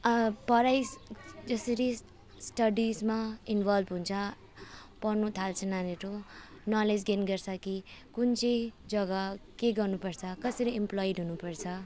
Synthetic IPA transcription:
ʌpʌɾajsd͡zʌsʌɾi | sʈʌɖismainbʱʌlbɦũnt͡sʰʌ | pʌrnut̪ʰalt͡sʰʌnaneɾonʌled͡zɡenɡʌrt͡sʰʌkikunt͡sʌd͡zʌɡʌkeɡʌrnupʌrt͡sʰʌkʌsʌɾiemplojiɖɦunupʌrt͡sʰʌ

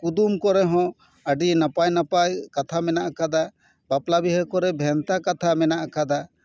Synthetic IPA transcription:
kud̪umkɔɾɛɦɔ̃ | əɖinapajnapajkat̪ʰamɛnaʔkad̪a | baplabiɦəkɔɾɛbʱɛnt̪akat̪ʰamɛnaʔkad̪a

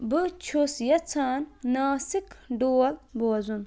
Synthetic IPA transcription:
bɨt͡ʃʰosjɐt͡sʰaːnnaːsikɖoːlboːzun

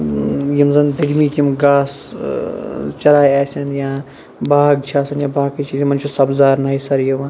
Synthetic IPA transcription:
jimzɐnd̪ɐɡmiːk̪imɡaːs | t͡ʃɐɾaːjaːsʲɐnjaː | baːɡt͡ʃʰaːsɐnjãːbaːkit͡ʃiːzmɐnt͡ʃʰusɐbzaːɾnɐːisɐɾjɐʋan

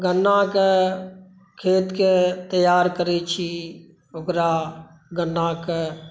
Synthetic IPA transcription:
ɡənːake | kʰeːt̪ket̪əjaːɾkəɾet͡ʃʰi | okɾa | ɡənːake

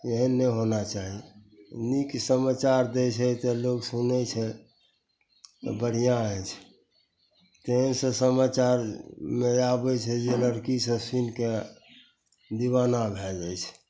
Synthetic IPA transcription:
eɦənːɛɦonat͡ʃaɦi | niksəmat͡ʃaɾd̪ɛt͡ʃʰɛt̪ɔloksunɛt͡ʃʰɛ | bəɽ̤ijãɛt͡ʃʰ | t̪eɦə̃nsə̃səmat͡ʃaɾmeabɛt͡ʃʰɛd͡ʒeləɾkisə̃sinke | d̪iβanabʱɛd͡ʒəjt͡ʃʰ

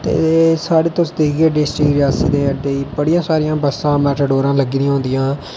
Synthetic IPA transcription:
t̪ḛːsaːɽeːt̪ʊ̃sd̪eːɡeːɖɪsʈɾɪkɾɪjaːsiːd̪eːəd̪eːiːbəɽijãːsaːɾɪjãːbəsːãːmɛːʈaɖoːɾãːləɡːd̪ijãːɦʊ̃nd̪ɪjãː

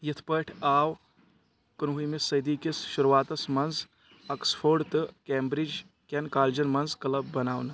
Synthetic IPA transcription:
jit̪ʰpəʈʰaːw | kɐnɦumisːɐjd̪iːkisʃuɾʋaːt̪ɐsmɐnz | ɐksfʰoːɖt̪ɨkeːmbɾid͡ʒ | kʲenkaːld͡ʒɐnmɐnzkɐlɐbːɐnaːwnɨ

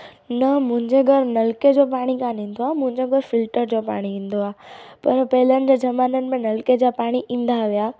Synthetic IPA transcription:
nɐmʊ̃ɦɪ̃ɲd͡ʑeɡʱəɾnɐlked͡ʑopaːɽ̃ikãnĩːn̆d̪oaːmʊ̃ɦɪ̃ɲd͡ʑoɡʱəɾfɪlʈəɾd͡ʑopa̰ːɽ̃iʋĩːn̆d̪oaːpɐɾpɐɦɪlənɪ̆d͡ʑed͡ʑɐmaːnənɪ̆mẽnɐlked͡ʑapaːɽ̃iʔĩːn̆d̪aʋijaː

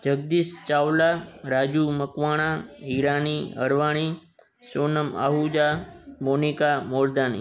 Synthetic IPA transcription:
d͡ʒəɡ̚d̪iːst͡ʃawlaɾad͡ʒuməkʋaɽ̃aiɾaniə̰ɾʋaɽ̃i | sonəma̰ɦud͡ʒamonikamoɾd̪anḭ

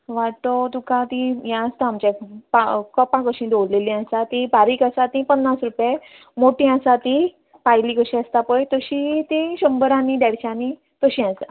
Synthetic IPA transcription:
ʋaʈot̪ukãt̪ĩjãəst̪aamt͡ɕapakɔpãkəɕĩd̪oɽlelĩasat̪ibaɾiːkasat̪ĩpənːasɾupje | moʈĩãsat̪i | pajlikəɕĩast̪apəjt̪əɕit̪eɕəmbəɾãnid̪ɛɽt͡ɕãni | t̪əɕĩast̪a

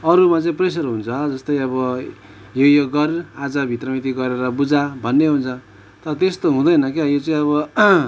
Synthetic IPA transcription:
ʌɾumat͡sʌĩpres̬ʌrɦunt͡sʰʌd͡zʌst̪ʌjʌβʌ | jojoɡʌriad͡zʌbʱit̪rʌmit̪iɡʌɾeɾʌbud͡zabʱʌnːeɦunt͡sʰʌ | t̪ʌɾʌt̪est̪oɦũd̪ʌjnʌkajot͡sʌĩʌβʌ

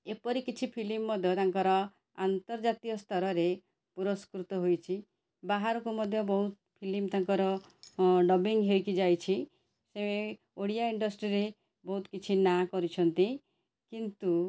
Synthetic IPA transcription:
epɔɾikit͡ʃʰipʰilimːɔd̪ʱjɔt̪aŋkɔɾɔ | ant̪ɔɾd͡ʒat̪ijɔst̪ʰɔɾɔɾe | puɾɔskɾut̪ɔɦojt͡ʃʰi | baɦaɾɔkumɔd̪ʱjɔbɔɦut̪ | pʰilimt̪aŋkɔɾɔ | ɖɔbiŋɡɦejkid͡ʒajt͡ʃʰi | see | oɽijaiɳɖɔsʈɾiɾe | bɔɦut̪kit͡ʃʰinakɔɾit͡ʃʰɔnt̪i | kint̪u

